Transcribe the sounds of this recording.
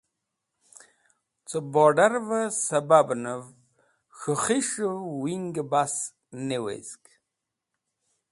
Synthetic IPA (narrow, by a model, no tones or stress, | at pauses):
t͡sʼɨbɔɖɐɾvɐsɐbabnɨv | xɨχiʂɨvwiŋɡəbas | newḛzkʼ